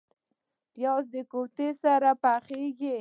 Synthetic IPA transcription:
pjɑs̬d̪əkot̪esaɾapaχeɡe

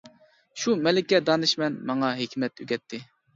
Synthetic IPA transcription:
ʃumɛlɪkʲːɛd̪ɑnɨʃmɛnmɑŋɑɦekʲʰmɛt̪yɡʲɛt̪ʰːɪ

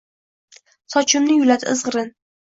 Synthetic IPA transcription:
sɒt͡ʃʰʊmnɪjʊlad̪ɪːzʁɨɾɪn

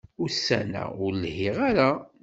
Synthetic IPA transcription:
ʊɾsænæ̰ʊɾlhɪʁaɾa

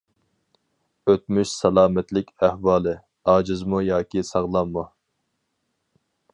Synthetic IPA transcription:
øt̪̚myʃsɛlˠɑːmɛt̪lɪkʲæhwɑːlˠɨ | ɑːd͡ʒɨzmujɑːkʲisɑʁlˠɑmːu

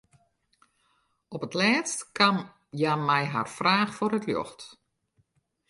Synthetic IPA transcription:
ɔpətlɛːtstkam | jamɛjɦa̰rfraːxfoɾətjɔ̰xt

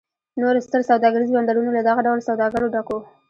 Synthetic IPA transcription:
noɾost̪əɾsawd̪ɑɡaɾizoband̪aɽunolad̪ɑɣaɖawlsawd̪ɑɡaɾoɖako

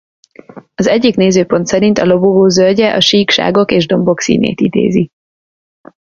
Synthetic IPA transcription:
ɒzɛɟːikneːzøːpo̞nt̪sɛɾint̪ɒlo̞boɡoːzølɟɛʔɒʃiːkʃa̰ːɡo̞keːʒd̪o̞mbo̞ksḭːnḛːt̪id̪ḛːzi

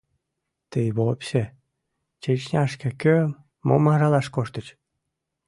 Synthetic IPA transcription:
t̪əjβopɕe | t͡ɕet͡ɕnʲɑʃkĕkø | mo̰mɑʒɑlɑʃkoʃt̪ət͡ɕ

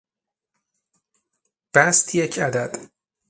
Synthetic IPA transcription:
b̥æst̪ʰjecʰæd̪æd̪̥

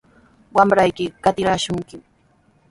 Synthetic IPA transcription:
wamɾajkɪkat̪ɪɾaʃʊŋkɪm

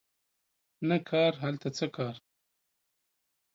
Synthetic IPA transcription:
nakʰɑːɾɦalt̪at͡səkɑːɾ

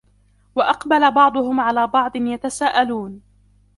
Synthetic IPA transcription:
waʔɑqbalabɑʕd̪ˤʊhʊmʕalaːbɑʕd̪ˤɨnjat̪asaːʔaluːn

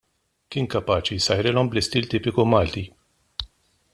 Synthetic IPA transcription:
kɪːnkɐpɐːt͡ʃisɐjɾɪlɔmblɪst̪iːlt̪iːpɪkumɐːlt̪i

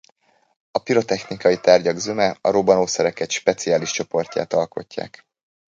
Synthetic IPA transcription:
ɒpiɾo̞t̪ɛxnikɒjit̪aːrɟɒɡzømɛɒɾobɒnoːsɛɾɛkɛt̪ʃpɛt̪siaːliʃt͡ʃo̞po̞rca̰ːt̪ɒlko̞̰cːa̰ːk

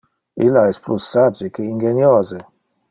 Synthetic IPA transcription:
ilːaɛsplusːad͡ʒekeiŋɡenjoze

